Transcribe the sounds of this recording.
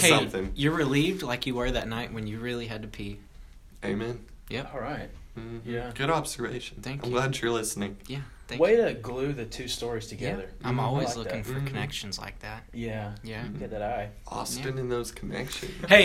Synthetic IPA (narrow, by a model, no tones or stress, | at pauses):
heɪʌ̃mθɪ̃ŋjə˞ɹɪlivdlaɪkjɨwə˞ðɨtⁿnaɪʔ̚wɨ̃njɨɹɪlˠiɨd̚tɨpʰi | eɪmɛ̃n | jɛɔɹaɪt̩̚ | jæɡ̥ʊɾɑb̥z̥ə˞vḛɪʃn̩θæ̃ŋkaɪ̃mmɡlæd̚tʰɨə˞lɪsnɪ̃ŋjæ | θæ̃weɪɾɨɡlʉðɨtʰʉstɔɹiz̥tʰɨɡɛæðə˞ʔãɪ̃mɔlˠwizlʊkɪ̃ŋfə˞kʰɨnɛkʃɨ̃n̩z̥la̰ɪk̚ðæt̚jæjæɡɛt̪̚ðɨɾaɪʔɔ̰stɨ̃nɨ̃nðoʊz̥kʰənɛ̰kʃɨ̰̃nheɪ